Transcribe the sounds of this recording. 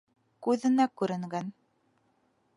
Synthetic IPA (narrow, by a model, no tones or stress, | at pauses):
kʉðɘ̆nækʉɾɘ̆ŋɡæn